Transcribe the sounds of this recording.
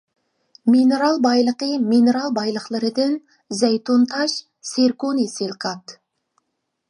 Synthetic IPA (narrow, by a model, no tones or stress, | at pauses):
mineɾɑlˠbɑjlˠəqəmineɾɑlˠbɑjlˠəqlˠəɾəd̪ɪn | zæjt̪ont̪ʰɑʃ | seɾkoneselqʰɑt̪